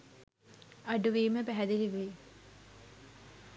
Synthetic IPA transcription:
ɐɖuʋiːməpæɦæd̪iliʋe

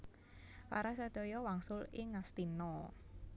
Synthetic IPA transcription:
paɾasəd̪̥ɔjɔwaŋsʊlɪŋast̪inɔ

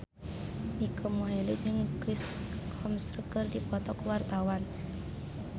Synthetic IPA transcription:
mikʰəmɔɦilit̚d͡ʒɨŋkɾiskʰɔmsrəkɨrdipɔt̪ɔkwart̪awan

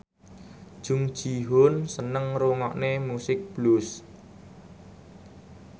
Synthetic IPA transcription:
d̥ʒ̥ʊŋ̥ʒ̥iɦonsənəŋɾuŋɔʔnemusɪk̚b̥lus

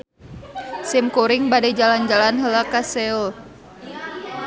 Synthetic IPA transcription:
simkuɾɪŋbadɛd͡ʒaland͡ʒalanɦəlakasɛl

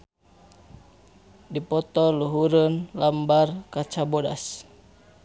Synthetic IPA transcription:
dipɔt̪ɔluɦuɾənlambarkat͡ʃabɔda̰s

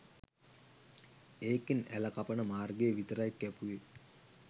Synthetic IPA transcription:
eːkinælɐkɐpɐnəmaːrɡeːʋit̪əɾajkːɛpuʋe

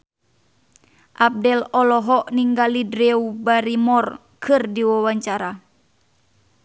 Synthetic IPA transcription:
ʔab̚dɛlɔlɔɦɔʔniŋɡalidɾɛubaɾimɔr | kʰɨrdiwawaɲt͡ʃaɾa

